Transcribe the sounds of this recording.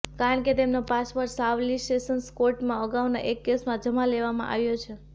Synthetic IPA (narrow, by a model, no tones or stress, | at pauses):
kaɾəɳket̪emnopasʋəɾsaʋlisʈesənskoɾʈmãəɡaʋna̰ʔekːesmãd͡ʒəmãleʋamã̰ʔa̰ʋjot͡ʃʰe